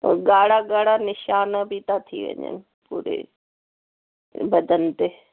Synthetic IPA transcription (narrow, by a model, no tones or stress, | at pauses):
ɡaːɽaɡaːɽanɪʃaːnbʱit̪at̪ʰḭʋə̰ɲə̰nɪ | puːɾḛ | bɐd̪ʱənt̪eː